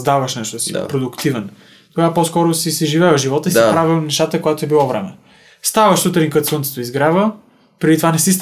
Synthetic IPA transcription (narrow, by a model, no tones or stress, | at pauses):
zd̪avɐʃnɛʃt̪osḭpɾod̪ʊkt̪ivɛn | t̪oɡapɔskɔɾosisɛʒivɛʒivɔt̪əisipɾavinɛʃt̪at̪əkojat̪oɛbilˠɔvɾɛ̰mɛ̰ | st̪avɐʃsut̪ɾiŋkət̪sunt̪ɛ̥t̪oizɡɾavə | pɾɛd̪it̪ovanɛsis